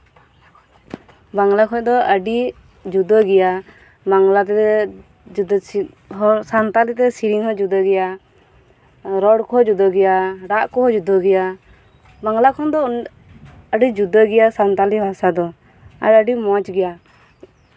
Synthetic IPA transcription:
baŋlakʰɔd̪ɔəɖi | d͡ʒud̪ɔɡɛja | baŋlat̪ɛ | d͡ʒud̪ | ɦɔsant̪alit̪ɛsiɾiŋhɔd͡ʒud̪əɡɛja | ɾɔɽkɔd͡ʒud̪ɔɡɛjaɖaʔkɔɦɔd͡ʒud̪ɔɡɛja | baŋlakʰɔnd̪ɔ | əɖid͡ʒud̪ɔɡɛjasant̪alibʱasad̪ɔ | a̰ɾəɖimɔt͡ʃɡɛja

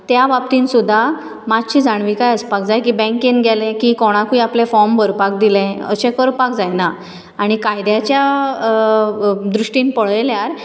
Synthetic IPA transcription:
t̪jaʋapt̪ĩnsud̪ʱːa | mad͡ʑɕiːd͡zaɳ̃ʋikajəspakd͡zajkiːbɛ̃ŋkenɡʱɛlɛ̃kiːkɔɽ̃ãkuiaplẽfɔmbəɾpak̚d̪ilɛ̃ə̰ɕɛ̃kəɾpak̚d͡zajna | aɽ̃ikajd̪jat͡ɕja | d̪ɾuʂʈĩːnpəɭljaɾ

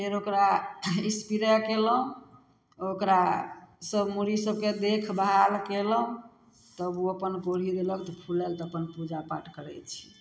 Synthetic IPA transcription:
eɾokɾaispiɾəkeləũ | okɾasəbmuɾisəb̚ked̪ekʰbɦalkeləũ | t̪əbuəpənɡoɽ̤id̪eləkt̪ɔpʰulɛlt̪ɔəpənpud͡ʒapa̰ʈkəɾɛt͡ʃʰi̥

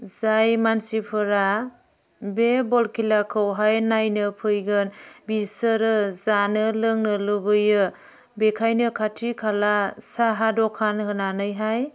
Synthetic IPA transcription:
zajmansipʰɯɾa | bebɔlkʰilakʰɯwɦajnajnɯpʰɯjɡɯnbisɯɾɯzanɯlɯŋnɯlɯbɯjɯ | bekʰajnɯkʰatʰikʰalasaɦadɔkʰanhɯnanɯjɦaj

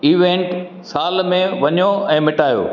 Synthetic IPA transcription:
iːʋẽːɳʈ | saːlmẽʋɐɲjoɛ̃ːmɪʈaːjo̰ː

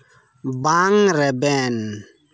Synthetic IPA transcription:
baŋɾɛbɛn

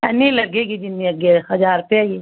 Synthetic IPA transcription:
ɛnilɐɡeːɡid͡ʒɪnːiɐɡehɐd͡ʒaːɾpeɡi

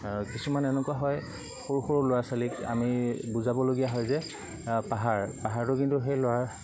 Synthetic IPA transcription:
kisumanɛnʊkuwaɦɔj | xoɹxoɹʊloasalika̰mibuzabɔloɡijaɦɔjzɛ | paɦaɹpaɦaɹtʊkintuxejloaɹ

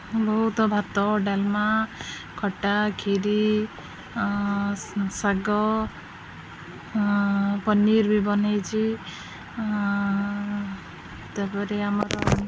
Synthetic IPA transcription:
bɔɦut̪ɔbʱat̪ɔɖalma | kʰɔʈːakʰiɾi | saɡɔ | pɔniɾbibɔnajt͡ʃʰi | t̪apɔɾeamat̪ɔ

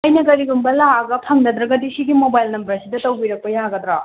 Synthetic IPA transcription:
ɐjnɐɡɐɾiɡumbɐlaɡɐpʰɐŋdɐd̪ɾɐɡɐdisiɡimobajlnɐmbɾɐɾsidɐtɐwbiɾɐk̚pɐjaɡɐd̪ɾa

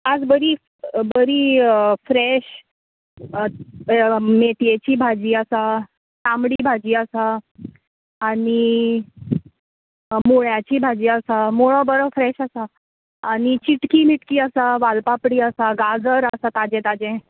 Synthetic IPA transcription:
ad͡zbəɾiː | bəɾiːfɾɛɕ | met̪jet͡ɕiːbʱad͡ʑiːəsa | tamɽiːbʱad͡ʑiːəsa | ɽi | moɭjat͡ɕiːbʱad͡ʑiːəsamoɭɔbəɾɔfɾɛɕəsaː | ɽ̃it͡ɕiʈkiːmiʈkiːəsaʋalpapɽiːəsaɡad͡zəɾəsat̪ad͡ʑɛ̃t̪ad͡ʑɛ̃

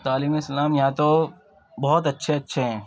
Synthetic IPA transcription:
t̪aːliːmeslaːmjɐɦãt̪o | bɔɦɔt̪ɐtːʃʰeɐtːʃʰeɦɛ̃ː

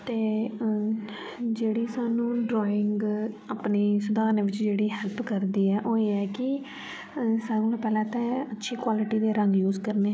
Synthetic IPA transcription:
t̪eː | d͡ʒeːɽiːsaːnũːɖɾɔːɪŋɡaːpneːsʊd̪aːneːʋɪt͡ʃd͡ʒeːɽiːɦɛːlpkəɾd̪iːɛːʔoːeːɛːkɪ | saɡolãːpɛːlɛ̃ːt̪ɛ̃ːətːʃʰiːkwaːlɪʈiːd̪eːɾəŋɡjuːzkəɾneː

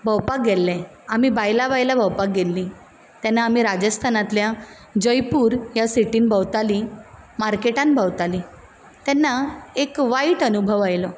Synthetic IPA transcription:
bʱəwpak̚ɡelːɛ̃ | amibajlabajlabʱəwpak̚ɡelːi | t̪jɛnːaːmiɾad͡ʑəst̪ʰanat̪lja | d͡ʑəjpuːɾjasiʈiːnbʱəwt̪alimaɾkeʈãnbʱəwt̪ali | t̪ɛnːaekʋaiʈənubʱəʋajlɔ

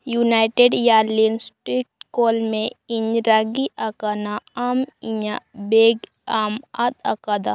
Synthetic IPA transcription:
junaːɪʈeɖjaːlinsʈɾik̚ʈkoːlmẽɪɲɾaɡiʔakanaamiɲabeɡ | aːmat̪akad̪a

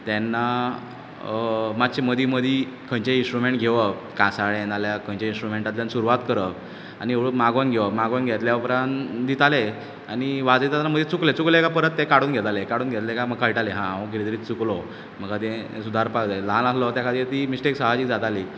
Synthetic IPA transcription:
t̪anːa | mat̪ɕeməd̪ʱiməd̪ʱi | kʰə̃ɲt͡ɕeĩnsʈɾumeɳʈɡʱeʋəkãsaɭenaljakʰə̃ɲt͡ɕeĩnsʈɾumeɳʈat̪ljansuɾuʋat̪kəɾək | anieɭmaɡonɡʱeʋəmaɡonɡʱet̪ljaupɾãnd̪it̪ale | añiʋad͡zet̪at̪anːaməd̪ʱjet͡suklet͡suklekapəɾət̪ːekaɽuːnɡʱet̪alekaɽuːnɡʱet̪lekaməkːajiʈaleɦãaʋəɡʱiɾit̪əɾiːt͡suklɔ | m̤əɡat̪ẽsud̪ʱaɾpaɡd̪alãnaslɔt̪jakʰad̪ʱiːt̪imisʈeksaɦad͡ʑiːkd͡zat̪ali

